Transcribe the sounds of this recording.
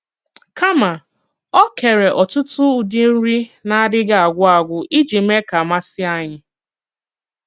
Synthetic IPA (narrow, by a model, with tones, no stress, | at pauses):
ka˦ma˨ | ɔ˦ke˨ɾe˨ʔɔ˨tʊ˦tʊ˦u˨di˦n̩˦ɾi˦na˦a˦dɪ˦ɡa˨a˨ɡʷʊ˦a˨ɡʷʊ˦ʔi˦d͡ʒi˨m̩˦e˦ka˨ma˦sɪ˦a˦ɲɪ˦